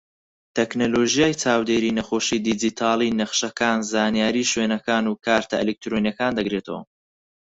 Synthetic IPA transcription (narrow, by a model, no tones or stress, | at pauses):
t̪ʰeknoloːʒijaːjt͡saːwd̪eːɾiːnɐχo̞ːʃiːd̪id͡ʒit̪ʰaːlˠiːnɐχʃɐkaːnzaːnijaːɾiːʃwenɐkaːnuːkʰaːɾt̪ʰɐʔelek̚t̪ɾonijɐkaːnd̪ɐɡɾeːt̪ʰɐ̰wɐ̰